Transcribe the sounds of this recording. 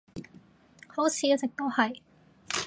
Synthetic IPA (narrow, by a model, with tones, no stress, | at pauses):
ho˨˥wt͡sʰiː˨˧jt͡sɪ˨k̚t̪o˥whɐ˨j